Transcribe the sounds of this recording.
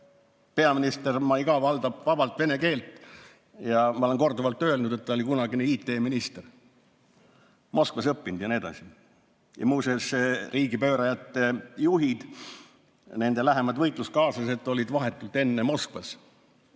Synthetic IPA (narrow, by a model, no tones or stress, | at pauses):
pe̞ɑminist̪e̞rmɑiɡɑvɑld̪̥ɑb̥vɑb̥ɑlt̪ve̞ne̞ke̞ːlt̪ːˑ | jɑmɑoleŋko̞rd̪uvɑlt̪ːˑø̞elnud̪̥e̞t̪ːɑo̞lʲikunɑɡineiːt̪ːˑe̞ːminist̪er | mo̞skvɑsɤpːind̪̥jɑnied̪̥ɑ̰si | jɑ̰muːseseriːɡipø̞ːɾɑjɑt̪ːejuɦid̪̥ | ne̞nd̪e̞læɦemɑd̪̥vɤjt̪ˑlust̪̚kɑːsɑse̞t̪ːˑo̞lʲid̪̥vɑɦe̞t̪ːˑult̪ːe̞nːemo̞skvɑs